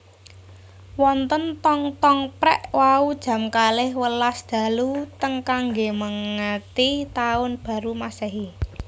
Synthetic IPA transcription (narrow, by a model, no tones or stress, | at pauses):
wɔnt̪ənt̪ɔŋt̪ɔŋpɾɛʔwaud̥ʒ̥a̤mkalɪhwəlasd̪̥ä̤lut̪əŋkaŋɡeməŋːət̪it̪aʊnb̥ä̤ɾumasɛɦi